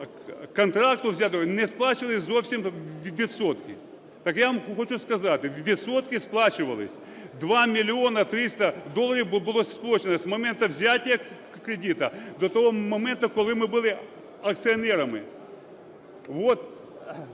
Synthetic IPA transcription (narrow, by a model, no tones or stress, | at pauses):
kɐnt̪ɾak̚t̪ʊvzʲat̪onɛsplˠat͡ɕɪʋɐlˠɪsʲzowfsʲɪmʲʋʲɪt̪sot̪kʲɪ̰ | t̪akjaʋɐmxot͡ʃuskɐzat̪ɪʋʲɪt̪sot̪kʲɪsplˠat͡ɕɪʋɐlˠɪ̰sʲ | d̪ʋamʲɪlʲɪonɐt̪ɾʲist̪ɐd̪olˠːɐɾʲiwbɨlˠosʲsplˠot͡ɕɪnɐsmɐmɛnt̪ɐvzʲatʲɪjɐ | kɾʲɪdʲit̪ɐd̪ot̪ɐʋomɐmɛnt̪ɐkɔlˠɪmɪbɪlˠɪ | ɐk̚t̪sɨɐnɛɾɐmɪ̰ | ʋot̪